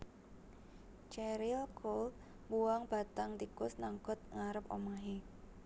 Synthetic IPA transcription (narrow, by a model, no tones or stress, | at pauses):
t͡ʃɛɾɪlkʰol | buwaŋb̥a̤t̪aŋt̪ikʊsnaŋkɔt̪̚ŋaɾəpo̰maɦe